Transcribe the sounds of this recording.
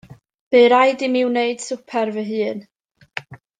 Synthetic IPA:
b̥eːɾajdɪmiwneɨd̥sʊpʰɛrvəɦɨːn

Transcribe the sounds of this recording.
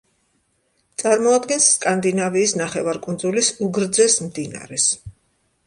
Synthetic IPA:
t̪sʼaɾmɔad̪ɡɛnsːkʼand̪inaviːsnaχɛvaɾkʼund̪zulisuɡɾd̪zɛsmd̪ina̰ɾɛs

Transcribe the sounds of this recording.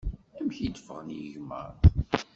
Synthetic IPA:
æmçid̪fəʁənjəʝmə̰ɾ

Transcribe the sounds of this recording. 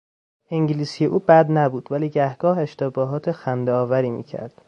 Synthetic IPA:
eŋɟiliːsijeʔuːbæd̪næbuːd̪væliːɟæhɡ̥ɒːɦe̞ʃt̪ebɒːɦɒːt̪ʰexænd̪eɒːvæɾiːmḭːcʰæ̰ɾd̪̥

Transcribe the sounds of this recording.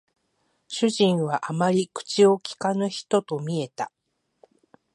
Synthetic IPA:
ɕɨʑĩɰ̃βaʔamaɾʲikɯ̟̥t͡ɕio̞kʲi̥kanɯçi̥t̪o̞t̪o̞mʲie̞t̪a

